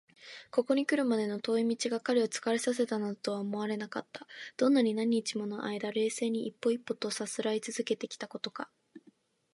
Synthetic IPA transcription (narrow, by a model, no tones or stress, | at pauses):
ko̞ko̞ɲ̟ikɯ̟ɾɯ̟mad̪e̞no̞t̪o̞ːimʲit͡ɕiɡakːaɾʲio̞t͡sɨ̥kaɾesas̬e̞t̪anad̪ot̪o̞βaomo̞βaɾe̞nakat̪ːḁd̪̥õ̞nːaɲ̟inaɲ̟it͡ɕimo̞no̞ʔaid̪aɾe̞ːse̞ːɲ̟iʔːpːo̞ipːo̞t̪o̞sasɨɾait͡sɨzɨke̞t̪e̞kʲi̥t̪ako̞t̪o̞ka